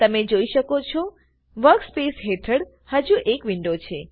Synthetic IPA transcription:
t̪əmed͡ʒoiʃəkot͡ʃʰɔ | ʋəɾkspesɦeʈʰəɽ | həd͡ʒuʔekʋiɳɖot͡ʃʰe

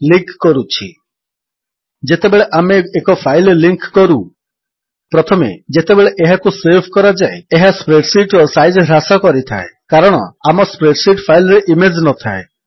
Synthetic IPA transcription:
liŋkːɔɾut͡ʃʰi | d͡ʒet̪ebeɭeʔameekɔpʰajlliŋkːɔɾu | pɾɔt̪ʰɔmḛd͡ʒet̪ebeɭeʔeɦakusebʱkɔɾad͡ʒaeeɦaspɾeɖsiʈɾɔsajd͡ʒɦɾasɔkɔɾit̪ʰa̰ekaɾɔɽ̃ɔ̰amɔspɾeɖsiʈpʰajlɔɾeʔimed͡ʒnɔt̪ʰae

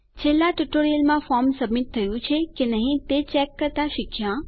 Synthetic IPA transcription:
t͡ʃʰelːaʈuʈoɾijəlmãfɔɾmsəbmit̪ʰːəjũt͡ʃʰekenəɦĩt̪et͡ʃɛkːəɾt̪aʃɪkʰːjã

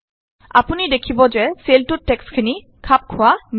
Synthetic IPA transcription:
a̰punid̪ekʰibɔd͡ʑeselʈuʈekskʰini | kʰap̚kʰowam

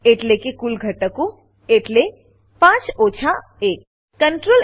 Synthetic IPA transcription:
eːʈlekekʊlɡʱəʈəkõ | eːʈle | pãːt͡ʃoːt͡ʃʰa | eːk̚ | kəɳʈɾoːl

